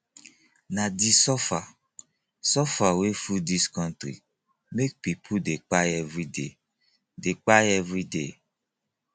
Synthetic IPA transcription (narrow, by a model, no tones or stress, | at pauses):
nadisɔfa | sɔfawefudiskɔ̃ntɾḭ | mek̚pipʰudek͡paɛvɾide | dek͡paɛvɾidḛ